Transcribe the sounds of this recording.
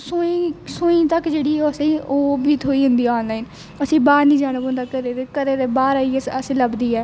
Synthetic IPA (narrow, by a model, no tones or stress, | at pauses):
sʊisoːĩːt̪əkd͡ʒeːɽiːɛoəsĩːoːbʱiːt̪ʰoːiːɦʊ̃nd̪iːɔːnlaːiːn | əsĩːbaːɾnĩːd͡ʒaːnəbõnd̪aːkəɾeːɾeːkəɾeːɾeːbaːɾaːiːəəsĩːləbd̪iːɛː